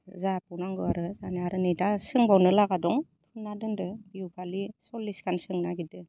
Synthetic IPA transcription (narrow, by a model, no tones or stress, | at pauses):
zapuwnaŋɡɯaɾɯzanaaɾɯnejdasɯŋbawnɯlaɡadɔŋpʰɯnːadɯndɯbiupʰalisɔlːiskʰansɯŋnaɡidɯ